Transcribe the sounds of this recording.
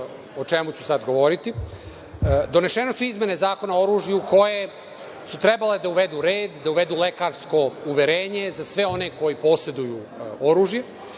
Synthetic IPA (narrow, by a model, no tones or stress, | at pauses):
ot͡ʃemut͡ɕu̥sad̪ɡo̞ʋo̞ɾit̪i | d̪o̞ne̞ʃenosuizme̞ne̞zaːko̞nao̞ɾuːʒjuuko̞je̞ | sut̪ɾe̞bale̞d̪auʋe̞d̪uɾeːd̪ːauʋe̞d̪uːle̞kaːɾsko̞uʋe̞ɾeːɲe̞zasʋe̞o̞ne̞ko̞jipo̞se̞d̪uju | oɾuːʒje